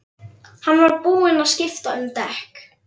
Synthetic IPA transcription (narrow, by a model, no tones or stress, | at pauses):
hanːvaɾpuːɪnaðscɪft̪aʏmt̪ɛhk